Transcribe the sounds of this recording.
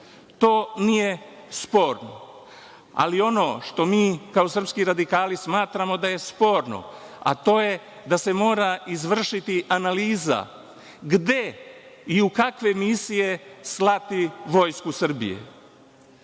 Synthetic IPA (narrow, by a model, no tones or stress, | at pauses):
t̪o̞ːnije̞ | spo̞ːɾno̰ | a̰lio̞no̞ːʃt̪o̞miːkao̞sər̩pskiɾad̪ikaːlismaːt̪ɾamo̞d̪aje̞spo̞ːɾno̞̰ | a̰t̪o̞ːje̞ | d̪ase̞mo̞ːɾaizʋr̩ʃit̪iʔanaliːza̰ | ɡd̪e̞iukakʋe̞misije̞slˠat̪iʋo̞jskusr̩bḭje̞̰